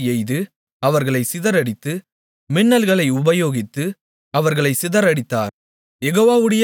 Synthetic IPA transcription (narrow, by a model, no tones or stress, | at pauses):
ɛjðɯ | ɐʋɐɾɣɐɭɐɪsɪðɐɾɐɽɪt̪ːɯ | mɪnːɐlɣɐɭɐɪʊbɐjoːɣɪt̪ːɯ | ɐʋɐɾɣɐɭɐɪsɪðɐɾɐɽɪt̪ːa̰ːɾ | jɛɣoːʋaːʋɯɽɐj